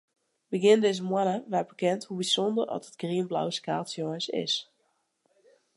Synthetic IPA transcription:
bəɡɪndɪzəmwɔnəʋɛbəkɛnthubisɔndərɔ̰tətɡ̥riənbla̰wskaːtsjoənsɪ̰s

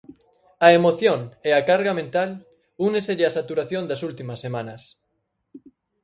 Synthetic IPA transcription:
ɐemoθjoŋeakaɾɣamẽnt̪al | uneseʎasat̪uɾaθjõnd̪ɐsult̪imɐsːemãnɐs

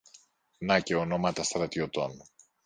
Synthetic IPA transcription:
nɐceono̞mɐt̪ɐst̪ɾɐt̪iot̪on

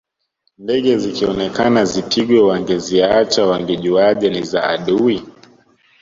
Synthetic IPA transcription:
ndɛɠɛzikiɔnɛkanazipʰiɡwɛwaŋɡɛziat͡ʃawaŋɡɛʄuaʄɛniza̰ːɗui

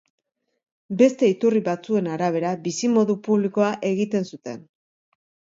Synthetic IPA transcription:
be̞st̪e̞it̪uriβat͡sue̞naɾaβ̞e̞ɾabisimo̞ðupuβliko̞aʔe̞ɣit̪e̞nsut̪e̞n

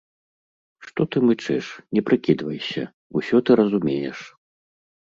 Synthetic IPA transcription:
ʂt̪ɔt̪ɨmɨt͡ʂɨʂnʲɛpɾɨkʲid̪vɐjsʲɐ̰ | usʲɔt̪ɨɾɐzumʲejɛ̰ʂ

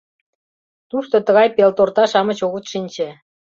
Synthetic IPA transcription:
t̪uʃt̪ot̪əɣɑjpelt̪ort̪ɑʃɑmə̆t͡ɕoɣət̪ʃinʲt͡ɕĕ

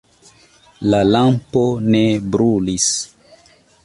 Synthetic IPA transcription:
lalampo̞ne̞bɾulis

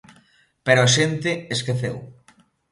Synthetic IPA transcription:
peɾʊaʃent̪ɪeskeθew

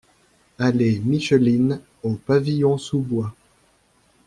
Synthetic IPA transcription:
alemiʃəlin | opavijɔ̃subwa

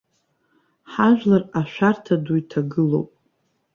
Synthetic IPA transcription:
ħaʒᶣlaraʃʷᶣartʰaduitʰaɡɨlo̰wpʼ

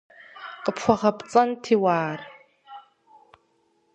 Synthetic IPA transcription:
qəpʰχʷɔʁɐpʼt͡sʼɐntʰiːwaːr

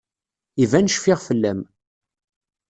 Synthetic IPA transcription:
ivænəʃfɪʁfəlːæm

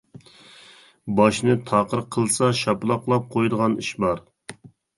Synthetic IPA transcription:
bɑʃnɨt̪ʰɑqəɾqʰːəlˠsɑʃɑpɨlˠɑp̚qʰlˠɑp̚qʰojd̪əʁɑniʃbɑɾ

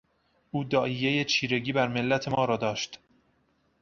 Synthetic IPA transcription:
ʔuːd̪ɒːʔijejet͡ʃʰiːɾe̞ɟiːbæɾme̞lːæt̪ʰe̞mɒːɾɒːd̪ɒːʃt̪

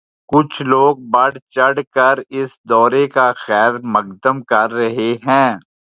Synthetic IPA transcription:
kʊt͡ʃʰloːɡ̚bɐɽt͡ʃɐɽkɐɾɪsd̪ɔːɾekaxɛːɾmɐqd̪əmkɐɾːɐɦeɦɛ̃ː

